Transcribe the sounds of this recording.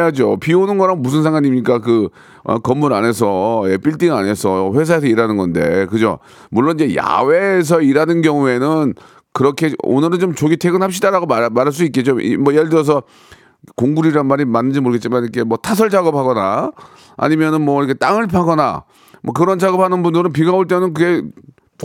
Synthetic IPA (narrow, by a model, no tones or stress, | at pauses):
jad͡ʑopionɯnɡʌɾanmbus̬ʰɯns̬ʰaŋɡaɲimɲik͈akɯ | ʌ̰kʌmːuɾa̰ne̞sʰʌep͈iɭt͈iŋane̞sʰʌɸwe̞s̬ʰae̞s̬ʰʌiɾanɯnɡʌnde̞kɯd͡ʑo̰ | muɭːonid͡ʑe̞ja̰we̞ːs̬ʰʌiɾanɯnɡjʌŋue̞nɯn | kɯɾʌkʰeo̰nɯɾɯnt͡ɕomt͡ɕoɡitʰe̞ɡɯnɦapɕ͈idaɾaɡoamaɾɦaɭs̬͈uik͈et͡ɕ͈oḭmʌjeɭdɯɾʌs̬ʰʌ | koŋɡuɾiɾanmaɾimanːɯnd͡ʑimoɾɯɡet̚t͡ɕ͈imaniikʰe̞mwʌtʰas̬ʰʌɭd͡ʑaɡʌp̚ʰhaɡʌna | a̰ɲimjʌnɯnmwʌiɾʌkʰe̞t͈aŋɯɭpʰaɡʌna̰ | mwʌkɯɾʌnd͡ʑaɡʌp̚hanɯnbundɯɾɯnp̬iɡaoɭt͈e̞nɯnk̬ɯɡe̞